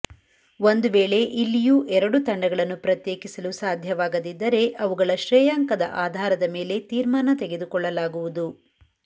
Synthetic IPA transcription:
ʋo̞nd̪uʋeːɭe̞ʔilːijuʔɛɾɐɽut̪ɐɳɖɐɡɐɭɐnːupɾɐt̪jeːkisɐlusaːd̪ʱjɐʋaːɡɐd̪id̪ːɐɾe̞ʔɐʋuɡɐɭɐʃɾɛːjaːŋkɐd̪ɐ̰ʔaːd̪ʱaːɾɐd̪ɐme̞ːle̞t̪iːɾmaːnɐt̪eɡed̪ukɔɭːɐlaːɡuʋud̪u

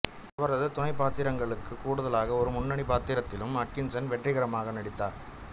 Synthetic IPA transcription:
ɐʋɐɾɐðɯt̪ʊnɐɪpːaːt̪ːɪɾɐŋɡɐɭɯkːɯkːuːɽɯðɐlaːɣɐɔɾɯmʊnːɐɳipaːt̪ːɪɾɐt̪ːɪlɯmɐkːɪnsɐnʋɛʈrɪɣɐɾɐmaːɣɐnɐɽɪt̪ːaːɾ

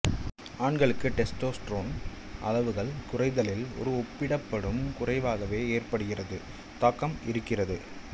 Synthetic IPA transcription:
aːɳɡɐɭɯkːɯʈɛsʈoːsʈɾoːn | ʔɐ̰lɐʋɯɣɐɭkʊrɐɪðɐlɪlɔ̰ɾɯɔpːɪɽɐpːɐɽɯmkʊrɐɪʋaːɣɐʋeːeːrpɐɽɯɣɪrɐðɯ | t̪ɐːkːɐmɪɾɯkːɪrɐðɯ

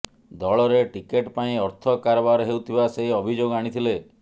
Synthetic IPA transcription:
d̪ɔɭɔɾeʈikeʈpaĩɔɾt̪ʰɔkaɾɔbaɾɔɦewt̪ʰibaseɦɔbʱid͡ʒoɡaɽ̃it̪ʰile

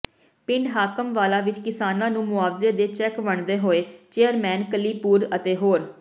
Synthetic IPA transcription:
pɪɳɖɦaːkəmʋaːlaːʋɪt͡ʃkɪsaːnãːnũːmʊaːʋzeːd̪eːt͡ʃɛːkʋəɳd̪eːɦoːeːt͡ʃeːəɾmɛ̃ːnkəliːpuːɾət̪eːɦoːɾ

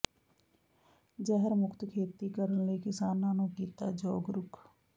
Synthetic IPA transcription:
d͡ʒɛɦəɾmʊkʰt̪kʰeːt̪iːkəɾənləiːkɪsaːnãːnũːkiːt̪aːd͡ʒɔːɡɾʊkʰ

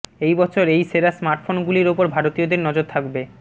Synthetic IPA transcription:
ejbɔt͡ɕʰoɾejseɾasmaɾʈfonɡuliɾopoɾbʱaɾot̪iod̪eɾnɔd͡ʑoɾt̪ʰakbe

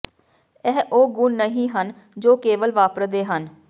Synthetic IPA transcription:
ɛɦʔoːɡʊnːəɦĩːɦən | d͡ʒoːkeːʋəlʋaːpəɾd̪eːɦən

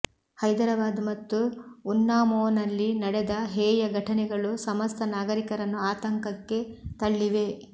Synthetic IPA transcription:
hɐjd̪ɐɾɐbaːd̪umɐt̪ːuːnːaːmoːnɐlːinɐɽed̪ɐɦeːjɐɡʱɐʈʰɐnɛɡɐɭusɐmɐst̪ʰɐnaːɡɐɾikɐɾɐnːuaːt̪ɐŋkɐkːe̞t̪ɐɭːiʋe̞

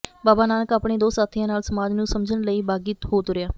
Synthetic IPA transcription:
baːbaːnaːnəkaːpɳeːd̪oːsaːt̪ʰɪjãːnaːlsəmaːd͡ʒnũːsəmd͡ʒəɳləiːbaːɡiːt̪ɦoːt̪ʊɾɪjaː

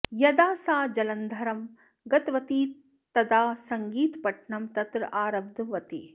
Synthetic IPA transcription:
jɐd̪aːsaːd͡ʒɐlɐnd̪ʱɐɾɐm | ɡɐt̪ʋɐt̪iː | t̪ɐd̪aːsɐŋɡiːt̪pɐʈɳɐmt̪ɐt̪ɾɐ̰ʔaːɾɐb̚d̪ʋɐt̪i

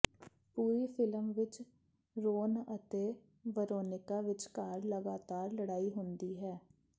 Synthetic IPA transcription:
puːɾiːpʰɪləmʋɪt͡ʃ | ɾoːnət̪eː | ʋəɾoːnɪkaːʋɪt͡ʃkaːɾləɡaːt̪aːɾləɽaːiːɦʊnd̪iːɦɛː

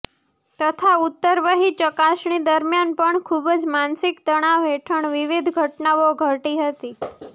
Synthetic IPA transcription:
t̪ət̪ʰaut̪ːəɾʋəɦit͡ʃəkaʃɳid̪əɾmjanpəɳkʰubd͡ʒmansɪkt̪əɽ̃aʋɦeʈʰəɳʋɪʋid̪ʱɡʱəʈnaʋoɡʱəʈiɦət̪i

